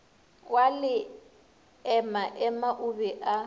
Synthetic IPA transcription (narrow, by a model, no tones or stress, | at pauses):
walɪ | ɛmaʔɛmaʔubɛʔa